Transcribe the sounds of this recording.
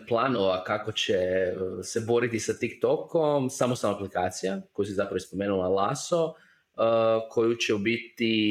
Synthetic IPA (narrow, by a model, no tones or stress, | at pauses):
plˠanoʋakako̞t͡ɕese̞bo̞ɾit̪isat̪ikt̪okomsamost̪alnoaplikaːt̪sijako̞jusizapɾaospo̞meːnulˠalˠaso | kʰo̞jut͡ɕeubit̪i